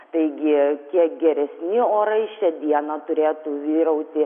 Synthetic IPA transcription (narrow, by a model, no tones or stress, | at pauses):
t̪ɐɪɡʲɪkʲiɛkɡʲɛɾʲɛsʲnʲɪoːɾɐɪʃʲɛd̪ʲiɛnɐt̪ʊɾʲeːt̪uːʋʲiːɾɐʊt̪ʲɪ